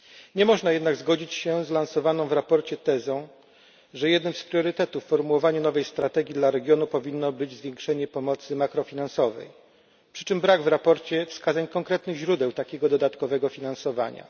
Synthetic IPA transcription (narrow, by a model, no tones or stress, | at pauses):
ɲɛmɔʐnajɛd̪naɡzɡɔd͡ʑit͡ɕɕɛzlansɔvanɔ̃w̃vɾapɔɾt͡ɕɛt̪ɛzɔ̃w̃ | ʐɛjɛd̪nɘmspɾʲjɔɾɘt̪ɛt̪ufːɔɾmuwɔvaɲunɔvɛjst̪ɾat̪ɛɡʲjid̪laɾɛɡʲjɔnupɔvʲinːɔbɘd͡ʑzvʲjɛ̃ŋkʂɛɲɛpɔmɔt̪sɘmakɾɔfʲinansɔvɛ̰j | pʂɘ̥t͡ʂɘmbɾaɡvɾapɔɾt͡ɕɛfskazaɲkɔŋkɾɛt̪nɘɣʑɾud̪ɛwt̪akʲɛɡɔd̪ɔd̪at̪kɔvɛɡɔfʲinansɔvaɲa̰